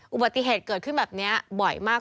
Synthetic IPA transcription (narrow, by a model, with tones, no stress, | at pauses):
ʔu˨ba˨˩t̪ːi˧˩ɦeː˨˩t̪̚kɤː˨˩t̪̚kʰɯ˥˩nbɛː˨˩p̚ni˦˥ɐbɔ˨˩jmaː˥˩k